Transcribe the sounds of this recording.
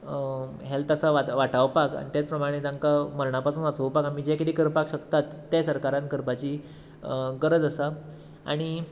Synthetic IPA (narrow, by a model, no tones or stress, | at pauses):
ɦɛlt̪asaʋaʋaʈaʋpaka̰ɽ̃it̪jat͡spɾəmaɽ̃et̪ãŋkaməɾɳapasuːnʋat͡səʋpakamiːd͡ʑekit̪iːkəɾpakɕəkt̪at̪ːesəɾkaɾãnt̪̚kəɾpat͡ɕiː | ɡəɾəd͡zəsa | a̰ɽ̃i